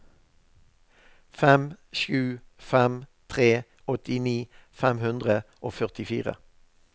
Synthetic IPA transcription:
fɛmʃʉːfɛmt̪ʰʁeː | ɔt̪ɪniːfɛmhʉnd̪ʁəʔoːfœʁt̪ɪfḭːʁə̰

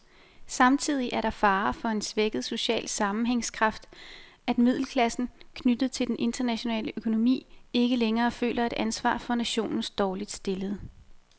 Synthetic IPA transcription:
sɑ̈mt͡sʰið̞̰ˠiʔæɐɾ̥ɑ̈fɑ̈ːfɒ̽e̝nsʋeɡ̥ð̞̩ˠso̝ɕɛ̰ːlsɑ̈mm̩ɦeŋskʰʁɑ̈fd̥ | æd̥mið̞̰ˠl̩kʰlæsn̩kʰnyd̥ð̩ˠt͡sʰe̝ld̥enʔe̝nd̥ɐnæɕo̝nɛ̰ːləʔøkʰo̝no̝mḭːe̝ɡ̥əleŋɐːfø̰ːlʔɐe̝d̥ʔænsʋɑ̰̈ːfɒ̽næɕo̝̰ːnn̩sd̥ɒːlid̥sd̥e̝ləð̩ˠ

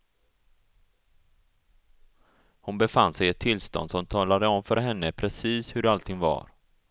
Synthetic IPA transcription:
hʊnbɛfansɛjɛt̪ʰːɪlːst̪ɔ̰nd̪sɔmt̪ʰɑːlad̪əɔmfœɾɦɛnːəpʰɾɛsiːshɵɖɛalt̪ʰɪŋva̰ɾ

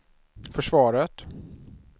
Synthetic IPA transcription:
fœʂvɑːɾət̪

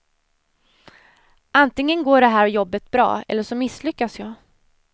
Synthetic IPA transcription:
ʔant̪ɪŋːənɡoːɖɛɦæːɾjɔbːət̪̚bɾɑ̰ːɛ̰lːəʂɔmɪslʏkːasjɑː

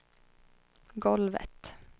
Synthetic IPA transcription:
ɡɔlʋə̰t̪

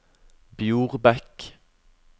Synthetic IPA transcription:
bjuːʁbɛk

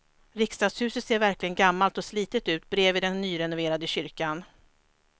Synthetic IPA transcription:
ɾɪkst̪ɑːd̪shʉ̟ːsət̪seːɾvæɾklɪɡənɡamːalt̪ɔsliːt̪ət̪ʉ̟ːt̪bɾeːvɪd̪ɛnːyːɾɛnʊveːɾad̪əɕʏɾkan

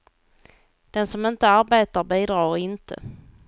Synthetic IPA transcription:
d̪̥ɛnsɔmɪnt̪əaɾbeːt̪aɾbiːd̪ɾɑːɾɪnt̪ʰə̰

